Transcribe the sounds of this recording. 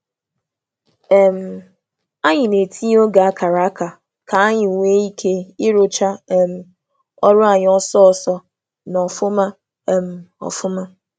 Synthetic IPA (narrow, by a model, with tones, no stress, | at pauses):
ɛ˦m̩˨ | a˦ɲɪ˨ne˨tʰi˦o˦ɡa˨a˦kʰa˨ɾa˨a˦ka˨ | ka˨a˦ɲɪ˨u˨ŋʷe˦i˦kʰe˦ɪ˦ɾʊ˦t͡ʃa˦m̩˦ | ɔ˦ɾʊ˦a˨ɲɪ˨˦ɔ˦sɔ˦ɔ˨sɔ˦ | nɔ˨fʊ˦ma˦ | m̩˨ɔ̰˨fʊ˦ma˦